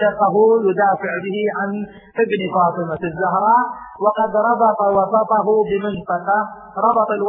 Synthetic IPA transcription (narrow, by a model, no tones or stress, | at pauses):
ɑqaɦʊjʊd̪aːfɪʕbɪhɪʕan | ʔɪbnfɑːt̪ˤɨmafɪzːʊɦɾˤɑːʔwɑqɑd̪ɾˤɑbɑt̪ˤɑwɑsˤɑt̪ˤɑɦʊbɪmɪnt̪ˤɑqɑ | ɾˤɑbɑt̪ˤɑlw